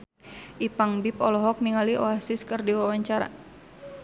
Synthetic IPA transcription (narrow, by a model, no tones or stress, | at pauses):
ʔipaŋbipɔlɔɦɔk̚niŋaliʔɔasiskɨrdiwawaɲt͡ʃaɾa̰